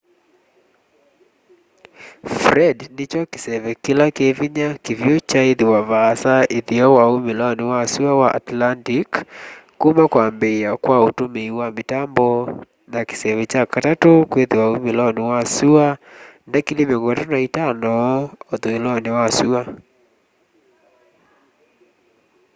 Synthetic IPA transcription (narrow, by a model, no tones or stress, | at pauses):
fɾɛdnet͡ʃɔke̥sɛβɛkilakeviɲakivjot͡ʃaeðiwavasaʔeðiɔwaomelaɔnewasuawaʔa̰tlantikː | umakwaːmbeakwaotomeiwametambɔ | nake̥sɛβɛt͡ʃakatatokweðiwaomelɔnewasuanakilimjɔŋɡɔtanaitanɔoðoelɔnewasua